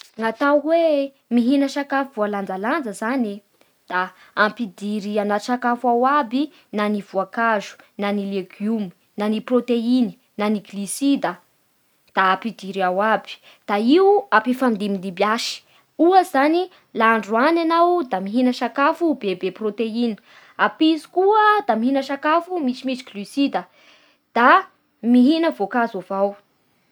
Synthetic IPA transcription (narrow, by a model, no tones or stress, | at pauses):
ŋat̪awwe | miɦinəʃakafuvualand͡zaland͡zəzani | d̪̥aː | mpid̪iɾianatʃakafawabi | nanivuakaʒu̥nanileɡjumi̥ | naniprot̪eini̥ | naniɡlisid̪ə | d̪̥aːpid̪iɾiawabi̥ | d̪̥aiuapifamid̪imind̪ibjaʃi̥ | uəzani | laːɳɖ͡ʐuananawd̪amiɦinəʃakafubebeprot̪eini̥ | apizi̥kuəd̪amiɦinəʃakafumit͡simit͡ʃi̥ɡlysid̪ə | d̪̥a | miɦinəvokazavaw